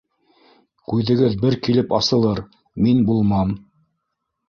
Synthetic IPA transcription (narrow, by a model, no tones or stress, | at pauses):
kʉjðɘ̆ɡɘðbɘɾkilɘpɑsɤ̆lˠɤɾ | minbulˠmɑm